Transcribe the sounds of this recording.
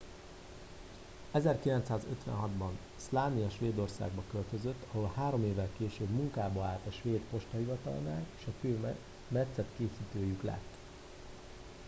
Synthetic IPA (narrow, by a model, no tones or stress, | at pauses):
ɛzɛrkilɛnt̪saːzø̰t̪ʋɛ̰nɦɒd̪bɒn | slaːnijɒʃʋeːd̪o̞rsa̰ːɡ̚bɒkølt̪øzøt̪ːɒɦo̞lhaːɾo̞meːvːɛlkeːʃøːbmuŋkaːbɒaːlt̪ɒʃʋeːt̪po̞ʃt̪ɒhivɒt̪ɒ̰lna̰ːleːʃɒføː | mɛt̪sɛt̪keːsiːt̪øːjyklɛ̰t̪ː